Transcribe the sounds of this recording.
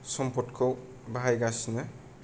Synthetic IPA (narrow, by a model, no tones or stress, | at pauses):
sɔmpʰɔtkʰɔw | baɦajɡasnɯ